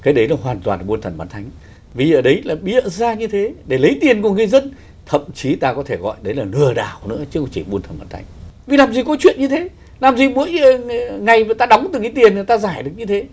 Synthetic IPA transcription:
kaː˨˦ɗə˨˦jlaː˨˩ɦwaː˨˩nt̪waː˨˩nɓu˧ənt̪ʰə˨˩nmɓaː˨˦nt̪ʰa˨˦jŋ̟ | vi˨˩ʔəː˧˩ɗə˨˦jlaː˨˩ɓḭ˧˨əzaː˧ɲɨ˧t̪ʰe˨˦ɗe˧˩lə˨˦jt̪i˨˩ənku˨˩əŋə˧˩jzə˧n | t̪ʰə̰˧˨mt͡ɕi˨˦t̪aː˧kɔ˨˦t̪ʰe˧˩ɣɔ̰˧˨jɗə˨˦jlaː˨˩lɨ˨˩əɗa̰ː˧˩wnɨ̰˧˥ət͡ɕɨ˨˦kt͡ɕi˧˩ɓu˧ənʰə˨˩mɓaː˨˦nt̪ʰa̰˨˦ŋ̟vi˨˩laː˨˩mzi˨˩kɔ˨˦t͡ɕwḭ˧˨ənɲɨ˧t̪ʰe˨˦ | laː˨˩mzi˨˩ɓu˧˥əjŋa˨˩jva˨˩t̪aː˧ɗɔ˨˦wŋ͡mt̪ɨ˨˩ŋkaː˨˦jt̪i˨˩ən˨˩t̪aː˧zaː˧˩jɗɨ˨˩ək̚ɲɨ˧t̪ʰe˨˦

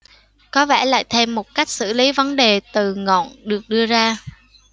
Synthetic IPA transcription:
kɔ˨˦vɛ˧˩la̰ː˧˨jt̪ʰe˧mːo˨˩t̚ka˦˥jk̟̚sɨ̰˧˩li˨˦və˨˦nɗe˨˩t̪ɨ˨˩ŋɔ̰˧˨nɗɨ˨˩ək̚ɗɨ˧əzaː˧

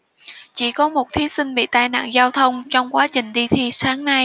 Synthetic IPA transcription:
t͡ɕi˧˩kɔ˨˦mo˨˩t̚t̪ʰi˨˦sï˧ŋ̟ɓḭ˧˨t̪a̰ː˧jna̰ː˧˨nzaː˧wt̪ʰə˧wŋ͡mt͡ɕɔ˧wŋ͡mkwaː˨˦t͡ɕï˨˩ŋ̟ɗi˧t̪ʰi˧saː˨˦ŋna˧j

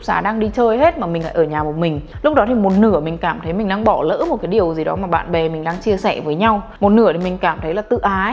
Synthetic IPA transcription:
k͡p̚sa̰ː˨˦ɗaː˧ŋɗi˧t͡ɕəː˧jɦe˦˥t̚maː˨˩mï˨˩ŋla̰ː˧˦ʔəː˧˩ɲaː˨˩mo˨˩mï˨˩ŋ̟lʊ˦˥k͡p̚ɗɔ˨˦t̪ʰi˨˩mo˨˩t̚nɨ˧˩əmï˨˩ŋ̟kaː˧˩mt̪ʰə˨˦jmï˨˩ŋ̟ɗaː˧ŋɓɔ˧˩lə̰ː˧˥mo˨˩kaː˨˦jɗi˨˩əwzi˨˩ɗɔ̰˨˦maː˨˩ɓa̰ː˧˨nɓɛ˨˩mï˨˩ŋ̟ɗaː˧ŋt͡ɕi˧əsɛ˧˩vəː˨˦jɲa˧wmo˨˩t̚nɨ˧˩əi˨˩mï˨˩ŋ̟kaː˧˩mt̪ʰə˨˦jlaː˨˩t̪ɨ̰˧˨ʔaː˨˦

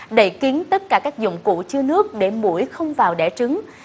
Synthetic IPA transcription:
ɗə˧˩jki˨˦ənt̪ə˦˥t̚kaː˧˩kaː˦˥k̚zʊ̰˧˨wŋ͡mkṵ˧˨t͡ɕɨ˧ənɨ˦˥ək̚ɗe˧˩mṵ˧˩əjxə˧wŋ͡mvaː˨˩wɗɛ̰˧˩t͡ɕɨ˨˦ŋ

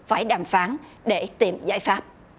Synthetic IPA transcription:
faː˧˩jɗaː˨˩mfaː˨˦n | ɗe˧˩t̪i˨˩mza̰ː˧˩jfaː˦˥p̚

